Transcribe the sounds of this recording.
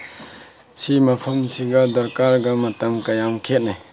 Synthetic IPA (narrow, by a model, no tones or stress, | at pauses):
simapʰumsiɡad̪ɐɾkaɾɡamɐtamkajamkʰet̚naj